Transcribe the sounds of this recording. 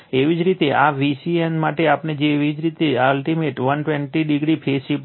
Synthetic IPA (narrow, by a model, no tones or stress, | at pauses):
eʋid͡ʒɾit̪eʔaʋisiɛnmaʈeapned͡ʒeʋid͡ʒɾit̪ealʈimeʈʋənʈʋɛɳʈiɖiɡɾipʰeʃip